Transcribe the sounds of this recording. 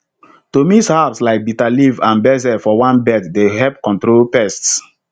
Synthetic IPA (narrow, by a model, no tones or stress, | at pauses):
tomishapslaɪk̚bitalivãnbɛz̬ɛfɔwãnbɛtdeɦɛp̚kɔ̃ntɾolpɛsts